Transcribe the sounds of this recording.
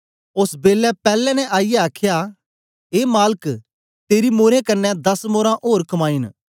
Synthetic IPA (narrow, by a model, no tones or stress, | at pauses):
ʊsbeːlɛpɛːlɛ̃nɛ̃ʔaːijɛaːkʰja | eːmaːlək | t̪eːɾimoːɾẽkɐnːɛd̪ɐsmoːɾãʔoːɾkɐmaːin